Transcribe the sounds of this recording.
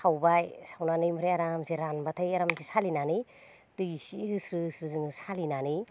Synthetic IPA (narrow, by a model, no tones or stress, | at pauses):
sawbajsawnanɯjmuɾejaɾamzeɾanbatʰajaɾamzisalinani | tɯjisiɦɯsɾɯɯsɾɯzɯŋsalinani